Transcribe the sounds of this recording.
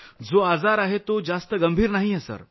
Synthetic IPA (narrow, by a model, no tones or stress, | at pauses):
d͡zoad͡zaɾaɦet̪od͡zast̪əɡəmbʱiːɾnaɦijesə̰ɾ